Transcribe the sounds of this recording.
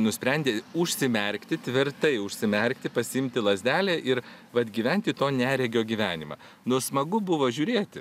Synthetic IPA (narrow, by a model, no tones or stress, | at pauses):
nʊsʲpʲɾʲɛnʲd̪ʲeːʊʃʲsʲɪmʲɛɾʲkt̪ʲɪt̪ʲʋʲɪɾt̪ɐɪʊʃʲsʲɪmʲɛɾʲkt̪ʲɪpɐsʲɪɪmʲt̪ʲɪlˠɐzʲd̪ʲæːlʲeːʔɪɾ | ʋɐt̪ɡʲiːʋʲɛnʲt̪ʲɪt̪oːnʲæːɾʲɛɡʲoːɡʲiːʋʲæːnʲɪmɑ̰ː | nʊsmɐɡʊbʊʋoːʒʲuːɾʲeːt̪ʲɪ